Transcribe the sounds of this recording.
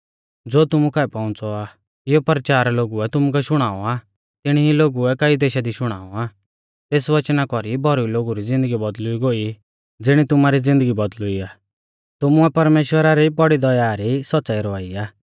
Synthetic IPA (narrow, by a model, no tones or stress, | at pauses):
d͡zoːt̪ʊmukaɛpɔʊ̃t͡sɔa | ɪjɔpəɾt͡ʃaːɾaloːɡuɛt̪ʊmuk̬ɛʃʊɽ̃aːɔ̰a | t̪ɪɽ̃iɦiloːɡuɛkɐid̪eːʃad̪iʃʊɽ̃a̰ːɔaː | t̪eːsʋɐt͡ʃnakɔɾibʱɔɾuiloːɡuɾid͡zɪ̃nd̪əɡibɔd̪lʊiɡoːi | d͡zɪɽ̃it̪ʊmaɾid͡zɪ̃nd̪əɡibɔd̪lʊiaː | t̪ʊmuɛpɐɾmeːʃwəɾaɾibɔɽid̪ɔjaːɾisɐtːt͡saiɾɔaːiaː